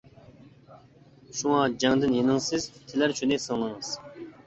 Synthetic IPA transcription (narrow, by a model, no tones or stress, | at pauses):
ʃuŋɑd͡ʒɛŋd̪ɨnjenɪŋsɪzt̪ʰɪlæɾt͡ʃʰynɪsɨllˠɨŋɨz̥